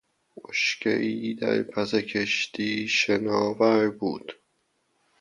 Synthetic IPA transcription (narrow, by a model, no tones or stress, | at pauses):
moʃcʰeʔiːd̪æ̰ɾpʰæzekʰeʃt̪ʰiːʃenɒːvæɾbuːd̪̥